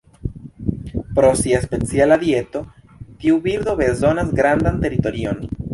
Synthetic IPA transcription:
pɾo̞siaespe̞t͡sialaðje̞t̪o̞ | t̪iubiɾd̪o̞βe̞zo̞nasɡɾand̪ant̪e̞ɾit̪o̞ɾio̞n

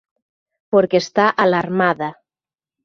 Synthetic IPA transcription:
poɾkest̪aʔalaɾmaða

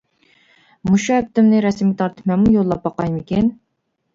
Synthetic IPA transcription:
muʃuhɛp̚t̪ɪmnɪɾɛsmit̪ʰɑɾt̪ʰɨ̥pmɛnmujolˠːɑp̚bɑqɑjmɪkʲin

